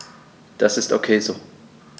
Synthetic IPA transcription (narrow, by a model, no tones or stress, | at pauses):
d̥asɪsto̰kʰeːzoː